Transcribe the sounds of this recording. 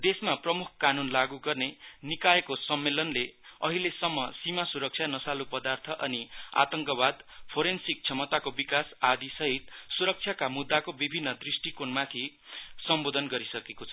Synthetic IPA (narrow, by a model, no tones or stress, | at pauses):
d̪esmaprʌmukʰkanunlaɡuɡʌrnenikaekosʌmːelʌnleʌɦilesʌmːʌsimasuɾʌk̚t͡sʰjanʌsalupʌd̪art̪ʰʌʔʌnia̰t̪ʌŋkʌbad̪pʰoɾensik̚t͡sʰʌmʌt̪akobikasad̪isʌɦit̪suɾʌk̚t͡sʰjakamud̪ːakobibʱinːʌd̪risʈikonmat̪ʰi | sʌmbod̪ʱʌnɡʌɾisʌkekot͡sʰʌ